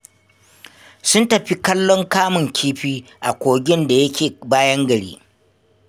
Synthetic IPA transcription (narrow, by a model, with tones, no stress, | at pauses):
sʊ˦ntɐ˨ɸi˦kɐ˦lːɔ˦ŋkaː˦mʊ˨ŋkʲʰiː˦ɸiː˦ʔa˨kʷoː˨ɡʲɪ˦nda˨jɐ˦kʲeː˨baː˦jɐ˦ŋɡɐ˨ɽḭː˦